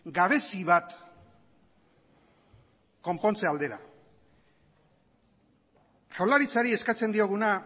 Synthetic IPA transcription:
ɡaβ̞e̞siβat̪ | ko̞mpo̞nt͡seald̪e̞ɾa | t͡ʃawlaɾit͡saɾie̞skat͡se̞nd̪io̞ɣ̞una

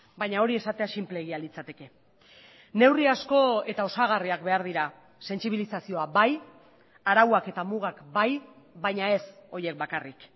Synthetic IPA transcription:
bajɲao̞ɾie̞sat̪e̞asimple̞ɣialit͡sat̪e̞ke̞ | ne̞wriasko̞e̞t̪ao̞saɣ̞ariakbe̞aɾð̞iɾa | se̞nt͡siβ̞ilisasio̞abaj | aɾawake̞t̪amuɣ̞akbaj | bajɲae̞so̞ɾje̞k̚bakarik

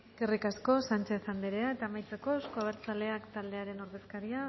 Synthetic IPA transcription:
eskerikasko̞sant͡ʃe̞θand̪eɾe̞aet̪aːmajt͡se̞ko̞ewskoaβ̞e̞ɾt͡sale̞akt̪ald̪e̞aɾe̞no̞ɾðe̞skaɾia

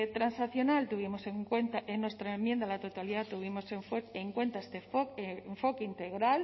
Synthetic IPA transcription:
t̪ɾansaθjonalt̪uβ̞imo̞seŋkwent̪aʔenwe̞st̪ɾaemjend̪alat̪ot̪aliðat̪uβ̞imo̞sefeŋkwe̞nt̪aest̪efoɱfo̞keint̪eɣɾal

